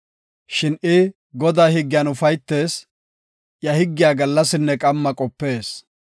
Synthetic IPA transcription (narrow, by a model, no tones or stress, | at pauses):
ʃɪnɪ | ɡɔd̪aːhɪɡːɪjɐnʊfɐjt̪ːe̞ːs | jɐhɪɡːɪjaːɡɐlːɐsɪnːɛkʼɐmːɐkʼɔpːe̞ːs